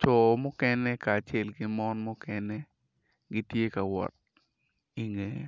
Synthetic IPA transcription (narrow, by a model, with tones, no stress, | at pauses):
t͡ʃɔ˨mɔ˦kɛ˦nɛ˦kaː˨t͡ʃɛ˨lɡɪ˦mɔ˦nmɔ˦kɛnɛ˦ | ɡi˦tje˦ka˨wɔ̰˨t̚ | i˨ŋḛ˨